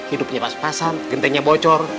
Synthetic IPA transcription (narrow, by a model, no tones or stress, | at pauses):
hidʊp̚ɲabaspasanɡənt̪ɛŋɲabɔt͡ʃɔr